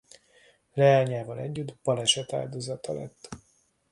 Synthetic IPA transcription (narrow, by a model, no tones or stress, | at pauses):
lɛaːɲaːvɒlɛ̰ɟːyd̪bɒlɛʃɛt̪a̰ːld̪oːzɒt̪ɒlɛ̰t̪ː